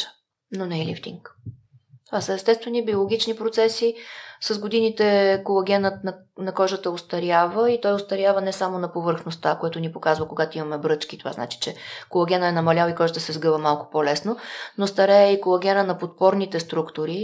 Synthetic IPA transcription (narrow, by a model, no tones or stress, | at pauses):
ə̥ | nonɛɛlḭft̪ḭŋk | t̪ovasəɛst̪ɛst̪vɛnibiolˠoɡ̟ʲit͡ʃnipɾot̪sɛsisɐzɡod̪init̪ɛkolˠɐɡʲɛnət̪n | nɐkɔʒət̪əost̪ɐɾjavəit̪ɔjʊst̪ɐɾʲjavənɛsamonɐpovəɾxnost̪akojɛt̪ʊnipokazvəkoɡat̪oimɐmɛbɾɤt͡ʃkit̪ova̰zna̰t͡ʃi̥t͡ʃɛkolˠɐɡʲɛnəɛnɐmɐlʲawikɔʒət̪əsɛzɡɤvəmalˠkʊ̥pɔlɛsnonost̪ɐɾɛjɛikolˠɐɡʲɛnənɐpot̪̚pɔɾnit̪ɛst̪ɾukt̪ʊɾi